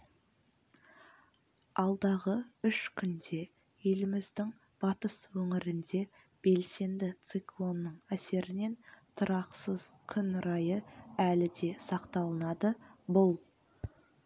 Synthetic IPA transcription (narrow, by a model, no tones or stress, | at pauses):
ɑlˠd̪ɑʁəʏʃkʲʰʏnd̪e̞ | je̞lɪmɪzd̪ɪŋ | b̥ɑt̪əswɵŋɪɾɪnd̪e̞ | b̥e̞lse̞nd̪ɪt̪sɨklˠo̞nːəɴæse̞ɾɪne̞nt̪ʰʊɾɑqsəz̥kʲʰʏnɾɑjəælɪd̪e̞sɑqt̪ɑlˠənɑd̪əbʊlˠ